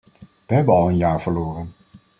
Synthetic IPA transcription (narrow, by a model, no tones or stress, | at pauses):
ʋəɦɛbənɑlˠənjaːɹvəɹloːrən